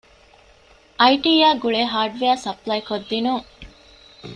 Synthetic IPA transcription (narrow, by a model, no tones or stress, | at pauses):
ʔɐjʈiːjaːɡuɭeɦaːɖʋeæːsɐplɐjkod̪ːinuŋ